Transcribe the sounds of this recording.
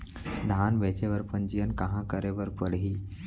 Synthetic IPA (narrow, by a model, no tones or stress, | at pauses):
d̪ʱanʋɛt͡ɕeʋəɾpənd͡ʑijənkãɦãkəɾeʋəɾpəɽɦiː